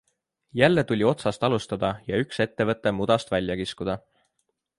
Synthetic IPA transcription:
jælːe̞t̪ulʲio̞t̪sɑst̪ɑlust̪ɑd̪̥ɑjɑykse̞t̪ːe̞vɤ̞t̪ːˑe̞mud̪̥ɑst̪vælʲjɑkiskud̪̥ɑ

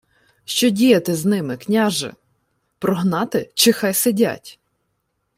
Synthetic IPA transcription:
ʃt͡ʃɔdʲijɐt̪ɪznɪmɪknʲaʒɪ̰ | pɾɔɦnɑt̪ɪt͡ʃɪxɑjsɪdʲa̰tʲ

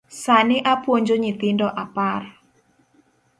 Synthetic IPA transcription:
saniʔapuɔɲd͡ʒoɲit̪indɔʔapar

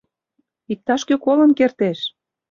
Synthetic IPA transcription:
ik̚t̪ɑʃkøkolə̆nkert̪eʃ

